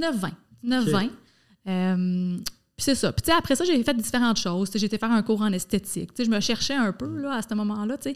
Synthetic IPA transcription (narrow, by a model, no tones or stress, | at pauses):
inəfvɛ̃d̪iznɛfːɛ̃ | øm | pi̥sɛsʌpi̥t͡seapχɛsʌʒefɛt̪̚d̪ifeʁɑ̃t̪ʃɔʊzt͡seʒeːt̪efæːʁɛ̃kuːʁɑ̃nɛst̪et͡sɪ̰k̚t͡seʒəməʃɛʁʃɛœ̃pølɔast̪əmɔmɑ̃lʌt͡se